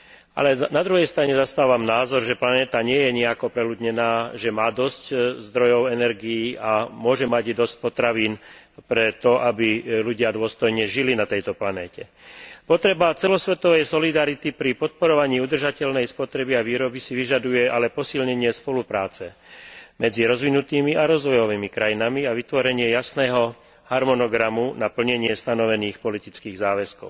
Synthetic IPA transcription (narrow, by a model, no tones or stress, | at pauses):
a̰lɛnad̪ɾuɦɛjst̪ɾaɲɛzast̪aːʋamnaːzɔɾʒɛplanɛːt̪aɲɪɛjɛɲiɛakɔpɾɛlud̪ɲɛnaːʒɛmaːd̪ɔsczd̪ɾɔjɔʊɛnɛɾɡijiːamʊɔʒɛmaɟd̪ɔsc̚pɔt̪ɾaʋiːn | pɾɛt̪ɔʔabiluɟɪad̪ʊɔst̪ɔjɲɛʒilinat̪ɛjt̪ɔplanɛːcɛpɔt̪ɾɛbat͡sɛlɔsʋɛt̪ɔʋɛjsɔlid̪aɾit̪ipɾipɔt̪̚pɔɾɔʋaɲiːud̪r̩ʒacɛlnɛjspɔt̪ɾɛbiaʋiːɾɔbisiʋiʒad̪ujɛalɛpɔsilɲɛɲɪɛspɔlupɾaːt͡sɛmɛd͡ziɾɔzʋinut̪iːmiʔaɾɔzʋɔjɔʋiːmikɾajinamiaʋit̪ʋɔɾɛɲɪɛjasnɛːɦɔ | haɾmɔnɔɡɾamunapl̩ɲɛɲɪɛst̪anɔʋɛniːxpɔlit̪it͡skiːɣzaːʋɛskɔ̰ʊ